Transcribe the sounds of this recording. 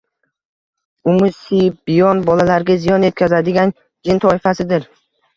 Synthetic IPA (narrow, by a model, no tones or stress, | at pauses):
ʊmʊsibɪjɒnbɒlalaɾɡʲazijɒnje̞t̪̚kʲʰazad̪ɪɡʲan | d͡ʒɪnt̪ʰɒɪfasɪd̪ɪɾ